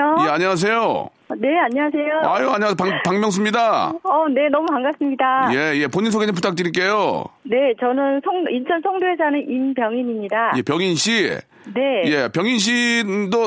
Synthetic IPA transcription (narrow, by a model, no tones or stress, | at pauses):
ojeaɲiwas̬ʰe̞jo | ne̞aɲiwasʰe̞joajoaɲias̬opapaŋmʲjʌŋs̬ʰɯmɲidaʌne̞nʌmukaŋɡas͈ɯmɲidajeje̞poɲinsʰoɡed͡ʑɯmputʰak̚t͈ɯɾik͈e̞jone̞t͡ɕʌnɯnsʰʌŋint͡ɕʰʌnsʰʌŋdoesanɯnʔinbjʌŋiɲimɲidaje̞pjʌŋinɕʰḭ | ne̞je̞pjʌŋinɕ̬ʰido